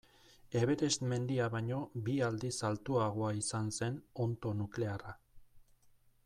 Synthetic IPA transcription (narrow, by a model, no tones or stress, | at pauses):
e̞βe̞ɾe̞sme̞nd̪iaβaɲo̞biald̪isalt̪uaɣo̞aisanse̞no̞nt̪o̞nukle̞ara